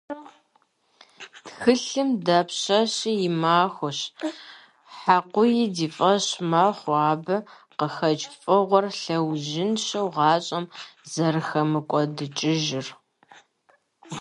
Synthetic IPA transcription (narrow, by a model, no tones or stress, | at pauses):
txɨɬɨmdapʰɕɐɕɪjɪmaːxʷʊɕ | ħaqʷʊjɪdiːfʼɐɕmaːχʷɑːbɐ | qəxɐt͡ʃʼfʼɨʁʷɔrɬɐwʒɪnɕɐwʁɑːɕʼɐmzɐrɨxɐmɨkʷʼɔdɨt͡ʃʼɪʒɪr